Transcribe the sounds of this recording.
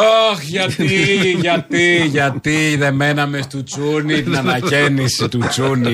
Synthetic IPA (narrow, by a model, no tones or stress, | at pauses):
oxʝat̪iiʝɐt̪iʝɐt̪iðemenɐmest̪ut͡sunit̪nɐnɐcenisit̪ut͡suni